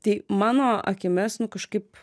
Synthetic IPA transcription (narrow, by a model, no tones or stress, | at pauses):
t̪ɐɪmɑːnoːɐ̰kʲɪmʲɛsnʊkɐʃkɐɪp